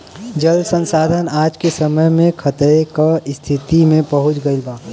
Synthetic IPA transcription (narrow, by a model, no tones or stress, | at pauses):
d͡ʒəlsə̃nsaːd̪ʱənaːd͡ʒkesəməjmẽkʰət̪ekaɪst̪ʰɪt̪imẽpəɦʊt͡ʃɡəibaː